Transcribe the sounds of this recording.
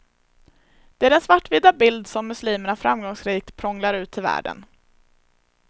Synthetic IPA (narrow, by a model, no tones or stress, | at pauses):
d̪̥ɛæɖɛnsvaʈːvɪd̪abɪld̪sɔmːɵsliːməɳafɾamɡɔŋsɾiːk̚t̪pʰɾɔŋlaɾʉ̟ːt̪ʰːɪlvæ̰ːɖə̰n